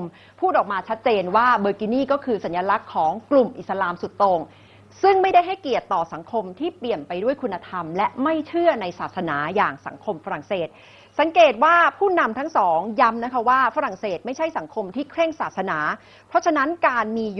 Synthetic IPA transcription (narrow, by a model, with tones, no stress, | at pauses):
m | pʰuː˥˩ʔɔː˨˩k̚maː˧t͡ɕʰa˦˥t̪̚t͡ɕeː˧nwaː˥˩bɤː˧ki˧niː˥˩kɔː˥˩kʰɯː˧sa˩˦njaː˧la˦˥kʰːɔː˩˦ŋklu˨˩mʔi˨˩t̪̚sa˧laː˧msu˨˩t̪ːoː˧ŋ | sɯ˥˩ŋma˥˩jda˥˩jɦa˥˩jki˨˩ət̪ːɔː˨˩sa˩˦ŋkʰo˧mt̪ʰiː˥˩pli˨˩ənpa˧jdu˥˩əjkʰu˧nːa˧t̪ʰa˧mlɛ˦˥ma˥˩jt͡ɕʰɯ˥˩ɐna˧jsaː˨˩t̪̚sa˧naː˩˦jaː˨˩ŋsa̰˩˦ŋkʰo˧mfa˧ɾa˨˩ŋseː˨˩t̪̚ | sa˩˦ŋkeː˨˩t̪̚waː˥˩pʰuː˥˩na˧mt̪ʰa˦˥ŋsɔː˩˦ŋja˦˥mna˦˥kʰa˦˥waː˥˩fa˦˥ɾa˨˩ŋseː˨˩t̪̚ma˥˩jt͡ɕʰa˥˩jsa˩˦ŋkʰo˧mt̪ʰiː˥˩kʰɾe˥˩ŋsaː˨˩sa˧naː˩˦ | pʰɾɔ˦˥t͡ɕʰa˧na˦˥nkaː˧nmiː˧